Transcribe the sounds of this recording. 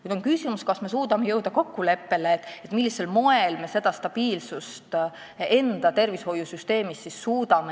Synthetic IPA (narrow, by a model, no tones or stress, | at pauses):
kujd̪o̞nkysʲimuskɑsme̞s̬uːd̪̥ɑme̞jɤwd̪̥ɑko̞kːule̞pːe̞leːt̪ːˑet̪ːˑmilːise̞lmo̞e̞lme̞se̞d̪̥ɑst̪ɑb̥iːlsust̪ | e̞nd̪̥ɑt̪e̞rvisho̞jusyst̪e̞ːmisːisːuːd̪ɑme